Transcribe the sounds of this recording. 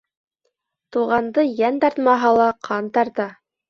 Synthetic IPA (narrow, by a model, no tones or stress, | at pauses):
t̪uʁɑnd̪ɤjænt̪ɑɾt̪mɑɦɑlˠɑqʰɑnt̪ɑɾt̪ɑ